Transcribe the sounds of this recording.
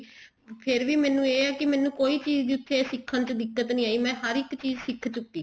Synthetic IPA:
pʰɪɾʋiːmɛːnũːeːɛːkɪmɛ̃ːnũːkoːiːt͡ʃiːzd̪iːʊt̪ʰːeːsɪkʰːənt͡ʃəd̪ɪkːət̪nĩːaːiːmɛ̃ːɦəɾɪkt͡ʃiːzsɪkʰt͡ʃʊk̚d̪iː

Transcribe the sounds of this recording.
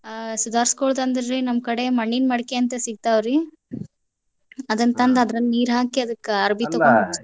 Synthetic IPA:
sud̪ʱaːɾskoːɭd̪ɐnd̪ɾɾinɐmkɐɽemɐɳːinmɐɽkeɐnt̪ɐsiɡ̚t̪aːʋɾi | ɐd̪ɐnt̪ɐnd̪ɐd̪ɾɐnniːɾɦaːkiɐd̪ɐkːɐɾbʱit̪ɐɡo

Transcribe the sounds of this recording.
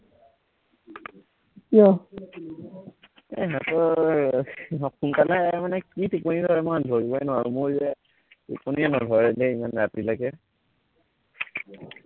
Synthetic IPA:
kjɔ | ɛ̰ɦatɔ | kunkalɛmanɛkitiponidʱɔɹɛmadʱɔɹibajnaɹumʊɹzɛ | tṵponianɔdʱɔɹɛlɛimanɹatilaɡɛ

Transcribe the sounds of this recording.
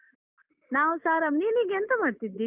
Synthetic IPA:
naːʋusaːɾɐmniːniɡent̪ɐmaːɖt̪id̪ːi

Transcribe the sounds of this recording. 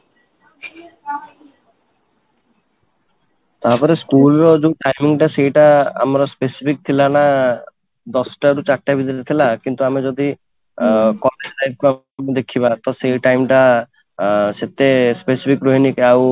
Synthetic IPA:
t̪apɔɾeskulɾɔd͡ʒuʈajmiŋʈaseiʈa̰ːmɔɾɔspesi̥pʰik̚t̪ʰilana | d̪ɔsɔʈaɾut͡ʃaʈːabʱid̪iʈat̪ʰilakint̪uamed͡ʒɔd̪i | kɔneslajb̚ʰʱkua | ed̪ekʰibat̪ɔseiʈajmʈa | set̪espesipʰikɾoɦinikaw

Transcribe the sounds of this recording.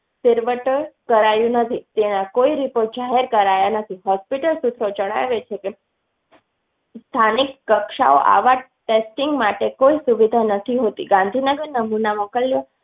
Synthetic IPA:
sɪɾʋəʈəɭkəɾajũnət̪ʰit̪enãkoiɾipoɾʈ̚d͡ʒaɦeɾkəɾajanət̪ʰiɦɔspiʈəlsut̪ʰɾod͡ʒəɽ̃a̰ʋet͡ʃʰeke | st̪ʰanɪkːəkʃa̰o̰ʔa̰ʋa | ʈesʈiŋɡmaʈekoisuʋid̪ʱanət̪ʰiɦot̪ḭɡãnd̪ʱinəɡəɾnəmunamokəljo

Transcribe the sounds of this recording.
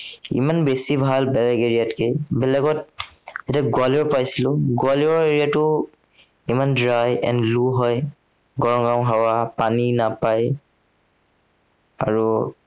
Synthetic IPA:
ḭmanbesibʱalbɛlɛɡeɹijatkebɛlɛɡɔt̚zetiaɡwalɔɹpajsilʊɡʊaliɔeɹijatʊ | imandɹajɛ̰ndluɦɔj | ɡɔɹɔŋɡawɦawapaninapaj | aɹu

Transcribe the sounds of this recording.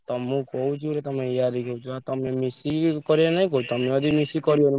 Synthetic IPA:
t̪ɔmũkɔut͡ʃʰuɾet̪ɔmẽijad̪ikɔut͡ʃʰuat̪ɔmemisikɔɾienaĩkɔut͡ʃʰt̪ɔmẽɔd̪ʱimisikɔɾioni

